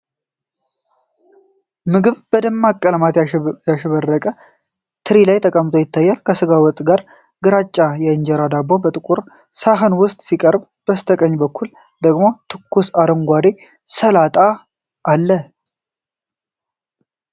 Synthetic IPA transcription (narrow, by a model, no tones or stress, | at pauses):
mɨɡɨβb̥əd̪ɨmːakʼːələmat̪jaʃəβərːəkʼə | t̪ʰɨɾilajt̪ʰəkʼəmt̪ʼo̞jɪt̪ʰːajːalkʰəsɨɡawɔt̪ʼɡaɾ | ɡɨɾat͡ʃʼːajɛɨɲd͡ʒɛɾad̪abobət̪ʼɨkʼuɾ | saɦɨnwʊst̪ʼsikʼəɾb | b̥əst̪ʰəkʼəɲːbəkʰːul | d̪əɡmo̞t̪ʰɨkːusaɾəŋɡʷad̪e | səlat̪ʼa | ʔːlːə